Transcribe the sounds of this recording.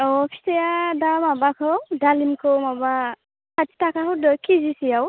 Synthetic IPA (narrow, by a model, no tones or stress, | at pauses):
ɔpʰi̥sɛjadamabakʰɔdalinkʰɔwmaba | kati̥takaɦudɔjkizisijaw